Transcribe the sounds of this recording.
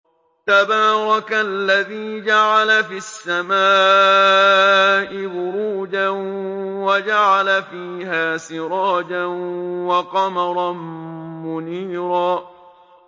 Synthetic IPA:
t̪abɑːɾˤɑkalːaðiːd͡ʒaʕalafisːamaː | ʔɪbʊɾuːd͡ʒanwad͡ʒaʕalafiːɦaːsɪɾˤɑːd͡ʒanwɑqɑmɑɾˤɑmʊniːɾaː

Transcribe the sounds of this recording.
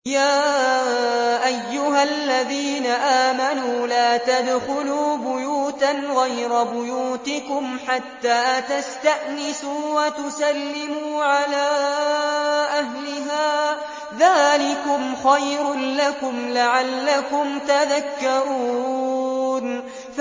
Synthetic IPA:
jaː | ʔajːʊɦalːaðiːnaʔaːmanuːlaːt̪ad̪xʊluːbʊjuːt̪anɣajɾabʊjuːt̪ɪkʊmħat̪ːaːt̪ast̪aʔnɪsuːwat̪ʊsalːɪmuːʕalaː | ʔaɦlɪɦaː | ðaːlɪkʊmxajɾlakʊmlaʕalːakʊmt̪aðakːaɾuː | n

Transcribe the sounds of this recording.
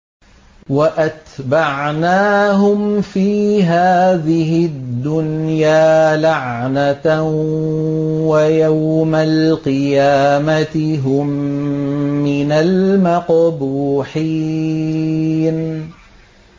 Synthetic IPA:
waʔat̪baʕnaːɦʊmfiːɦaːðɪɦɪd̪ːʊnjaːlaʕna | wajawmalqɨjaːmat̪ɪɦʊmː | ɪnalmɑqbuːħiː | n

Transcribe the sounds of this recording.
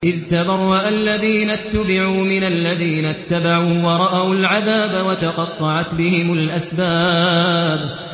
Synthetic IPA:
ʔɪðt̪abɑɾˤːaʔalːaðiːnat̪ːabɪʕuːmɪnalːaðiːnat̪ːabaʕuːwɑɾˤɑʔawlʕaðaːbawat̪ɑqɑt̪ˤːɑʕat̪bɪhɪmʊlʔasbaːb

